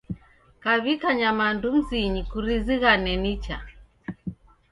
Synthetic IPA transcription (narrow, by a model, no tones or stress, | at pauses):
kaβikaɲamandum̩ziɲikuɾiziɣanɛnit͡ʃa